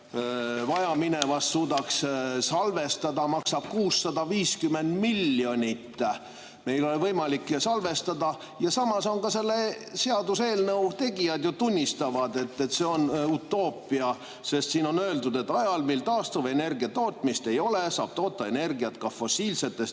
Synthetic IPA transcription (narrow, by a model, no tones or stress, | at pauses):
vɑjɑmine̞vɑsːuːd̪ɑkssɑlve̞st̪ɑd̪ɑmɑksɑb̥kuːsːɑd̪ɑviːskymːe̞nd̪milːjo̞nʲit̪ː | me̞jlo̞livɤjmɑliksɑlve̞st̪ɑd̪ɑ | jɑsɑmɑso̞nkɑse̞lːeseɑd̪use̞ːlnɤwt̪e̞ɡijɑd̪jot̪unʲːist̪ɑvɑd̪̥e̞t̪ːet̪ːse̞o̞nut̪ːˑo̞ːpːˑiɑ | se̞st̪siːno̞nø̞eld̪ud̪e̞t̪ːɑjɑlmilt̪ɑːst̪uve̞ne̞rɡiɑt̪o̞ːt̪mist̪e̞jo̞lesɑ̰ːb̥̚t̪o̞ːt̪ːɑene̞rɡiɑt̪kɑfo̞siːlse̞t̪ːe̞st̪